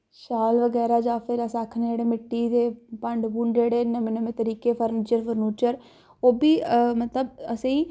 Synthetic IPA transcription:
ʃaːlʋəɡɛːɾaːd͡ʒaːpʰɪɾəsaːkʰnd͡ʒeːɽeːmɪʈːiːd̪eːpəɳɖbuːɳɖd͡ʒeːɽeːnəmẽːnəmẽːt̪əɾiːkeːpʰəɾniːt͡ʃəɾpʰəɾnuːt͡ʃəɾ | oːbiːmət̪ləbəsẽiː

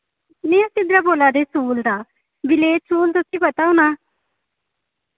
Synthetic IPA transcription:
neə̃sɪd̪ɾaboːlad̪esuːld̪a | bɪlesuːld̪osibɐt̪aũna

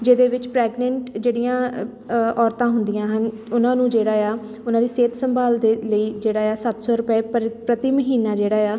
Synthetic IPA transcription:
d͡ʒeːd̪eːʋɪt͡ʃpɾɛːɡnɛɳʈd͡ʒeːɽɪjãː | ɔːɾt̪ãːɦʊnd̪ijãːɦən | ʊnãːnũːd͡ʒeːɽaːjaː | ʊnãːd̪iːseːt̪səmbʱaːld̪eːləiːd͡ʒeːɽaːjaːsət̪sɔːɾʊpɛːpɾət̪iːməɦiːnaːd͡ʒeːɽaːjaː

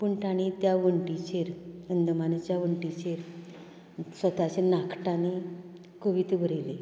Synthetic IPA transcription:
pəɳʈaɽ̃it̪jaʋəɳʈit͡ɕeɾənd̪əmant͡ɕjaʋəɳʈit͡ɕeɾ | sʋət̪at͡ɕenakʰʈane | kəʋit̪ʋəɾele

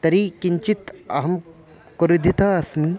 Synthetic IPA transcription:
t̪ɐɾiːkiɲt͡ʃit̪ɐ̰ɦɐm | kuɾid̪ʱit̪aɐsmi

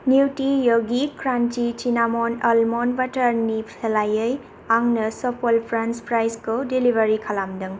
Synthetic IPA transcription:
niwtijoɡikɾantit͡ʃinamɔnɐlmɔnbataɾnipʰelajəj | aŋnɐsɔpɔlpʰɾanspɾajskodilibʱaɾikʰalamdɯŋ

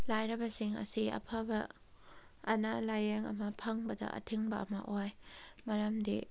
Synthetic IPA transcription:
lajɾɐbɐsiŋɐ̰siɐ̰pʰabɐː | nalajeŋɐ̰mɐpʰaŋbɐdɐ̰ɐ̰tʰiŋbɐɐ̰mɐ̰ʔojmɐɾɐmdḭ

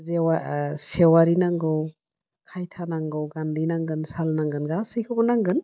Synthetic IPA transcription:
zewasewaɾinaŋɡɔw | kʰajtʰanaŋɡɔwɡandinaŋɡɯnsalnaŋɡɯnɡasikʰɯbɔnaŋɡɯn

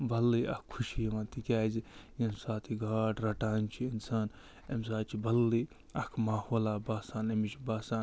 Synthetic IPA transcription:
bɐlːiɐkkʰːuʃijɐʋãːnt̪ikʲaːzijɐnsaːt̪ʰiɡʱaːʈɾɐʈaːnt͡ʃʰiinsaːn | ems̬aːt͡ʃʰibɐlːi | ɐkʰmaːhoːlaːbaːsaːnemit͡ʃʰibaːsaːn

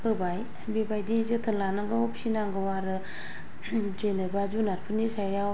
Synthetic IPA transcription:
ɯbaj | bebajdizɯtʰɯnlanaŋɡɯopʰi̥sinaŋɡɯwaɾɯ | zenɯbazunaɾpʰɯnisajaw

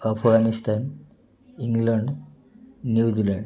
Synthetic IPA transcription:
əfʰɡanist̪an | iŋɡləɳɖː | juːd͡ʑilaɳɖ

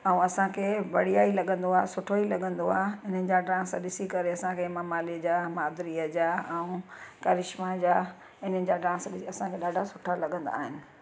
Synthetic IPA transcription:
ɛũɐsãkʰebɐɽ̤ijaːilɐɠə̃nd̪oaːɦsʊʈʰoilɐɠə̃nd̪oa̰ːɪn̤ənɪ̆d͡ʑaɖãːsɗɪsikɐɾeɐsãkʰemɐmaːlid͡ʑaːmaːd̪ɾiːəd͡ʑaːɛũkɐɾɪʃmãd͡ʑaː | ɪn̤əɪ̆d͡ʑaɖãːsɗɪɐsãkʰeɗaːɖʱasʊʈʰalɐɠə̃nd̪a̰ːɦɪnɪ̆

